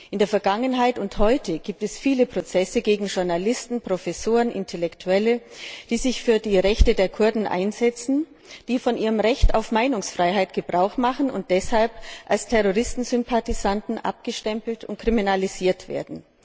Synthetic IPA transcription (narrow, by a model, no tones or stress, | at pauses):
ʔɪndeːɐfɛɐɡaŋənɦaɪtʊnthɔʏtʰəɡiːp̚tɛsfiːləpʁ̥ot͡sɛsəɡeːɡŋ̩ʒʊɐnalɪstn̩pʁ̥ofɛsoːʁənʔɪ̰ntʰɛlɛktʰuɛləd̥iːzɪçfyːɐdiːʁɛçtədeːɐkʰʊɐdn̩ʔa̰ɪnzɛt͡sn̩ | d̥iːfɔnʔiːʁ̞əmʁɛçta̰ʊfmaɪnʊŋsfʁ̥aɪɦaɪtɡ̥əbʁaʊxmaχn̩ʊ̰nt̚d̥ɛshalpʔalstʰɛʁoʁɪstn̩zʏmpʰatizantn̩ʔa̰p̚ɡ̥əʃtɛmpl̩tʊnt̚kʁ̥iminaliziːɐtv̥ḛːɐdn̩